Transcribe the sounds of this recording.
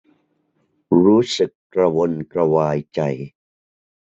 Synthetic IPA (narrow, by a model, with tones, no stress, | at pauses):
ɾuː˦˥sɯ˨˩kːɾa˧wo˧nkɾa˧waː˧jt͡ɕa˧j